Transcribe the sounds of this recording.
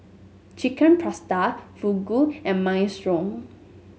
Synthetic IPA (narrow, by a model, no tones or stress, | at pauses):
t͡ʃikənpʰɹastafuɡuɛ̃nmajstɾɔŋ